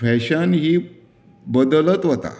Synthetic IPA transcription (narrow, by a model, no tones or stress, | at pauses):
fɛɕanɦiː | bəd̪ələt̪ʋət̪a̰